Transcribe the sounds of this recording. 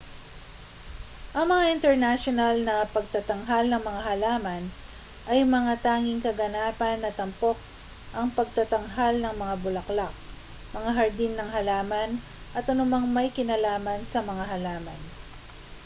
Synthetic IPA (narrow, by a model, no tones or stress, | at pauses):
ʔɐŋmɐŋaʔɪnt̪ɛɹnaʃonɐlnɐpɐɡ̚t̪ɐt̪ɐŋɦalnɐŋmɐŋaɦɐlaːmɐn | ʔɐjmɐŋat̪aːŋɪŋkɐɡɐnaːpɐnːɐt̪ɐmpo̞k̚ | ʔɐŋpɐɡ̚t̪ɐt̪ɐŋɦalnɐŋmɐŋabʊlɐklak̚ | mɐŋaɦɐɹd̪inːɐŋɦɐlaːmɐn | ʔɐt̪ʔɐnʊmaŋmɐjkɪnɐlaːmɐnsɐmɐŋaɦɐlaːmɐ̰n